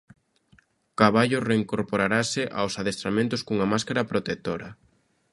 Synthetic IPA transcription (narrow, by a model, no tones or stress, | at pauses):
kaβaʎʊreiŋkoɾpoɾaɾasɪʔa̰wsaðest̪ɾamẽnt̪ʊskuŋɐmaskaɾɐpɾot̪ek̚t̪oɾɐ